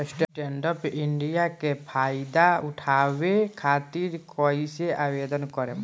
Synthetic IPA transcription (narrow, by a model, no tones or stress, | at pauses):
sʈʈeɳɖɔpiɳɖijakepʰajd̪auʈʰabekʰat̪iɾkɔjseabed̪ɔnkɔɾɛm